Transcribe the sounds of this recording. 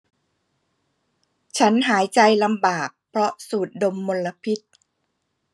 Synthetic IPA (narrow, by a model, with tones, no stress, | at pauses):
t͡ɕʰa˦˥nɦaː˩˦jt͡ɕa˧jla˧mbaː˨˩k̚pʰɾɔ˦˥suː˨˩t̪̚do˧mːo˧la˧pʰi˦˥t̪̚